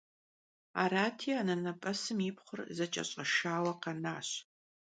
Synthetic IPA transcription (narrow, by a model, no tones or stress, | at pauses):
a̰ːɾaːtʰiːaːnɐnɐpʼɐsɨmipχʷʊrzɐt͡ʃʼɐ̰ɕʼɐʃaːwɐqɐnaːɕ